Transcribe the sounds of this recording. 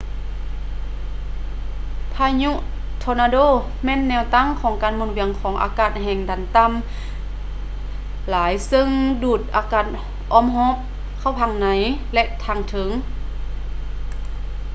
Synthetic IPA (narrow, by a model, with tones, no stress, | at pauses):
pʰaː˧ɲu˧˥˨ʔ | t̪ʰɔː˧naː˧doː˧˥˨ | mɛː˧˥˨nːɛː˧˨wt̪a˧˥˨ŋkʰɔː˨˩˦ŋkaː˨nmoː˧˨nwi˨˩˦əŋkʰɔː˨˦ŋʔa̰ː˧kaː˧˩t̪̚ɦɛː˧˩ŋdaː˨˩nt̪a˧˥˨m | laː˨˦jsɤ˧ŋduː˧˩t̪̚ʔaː˧˦kaː˧˩t̪̚ | ʔɔː˧˥˨mɦɔː˧˥p̚ | kʰa˧˥˩wpʰa˧˩˨ŋna˨˦jlɛ˧ʔt̪ʰaː˧˩ŋt̪ʰɤ˨˦ŋ